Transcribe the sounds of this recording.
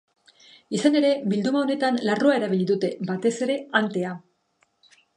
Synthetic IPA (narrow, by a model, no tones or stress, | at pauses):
isane̞ɾe̞bild̪umao̞ne̞t̪anlaroae̞ɾaβiʎiðut̪e̞bat̪e̞se̞ɾe̞ant̪e̞a